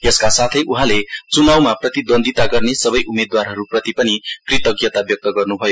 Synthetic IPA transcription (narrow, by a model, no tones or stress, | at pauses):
eskasat̪ʰʌjʔuɦãlet͡sunawmaprʌt̪id̪ond̪ʱit̪aɡʌrnesʌbʌjʔumed̪warɦʌɾuprʌt̪ipʌnikrit̪ʌɡjʌt̪abjʌk̚t̪ʌɡʌrnubʱʌjo